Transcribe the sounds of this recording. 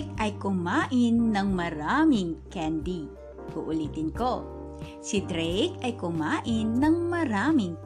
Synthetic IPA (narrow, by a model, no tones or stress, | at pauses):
k̚ʔɐjkʊmaːʔɪnːɐŋmɐɾaːmɪŋkɛnd̪i | huʔʊliːt̪ɪnko̞ | sid̪ɾɛjkɐjkʊmaːʔɪnːɐŋmɐɾaːmɪŋ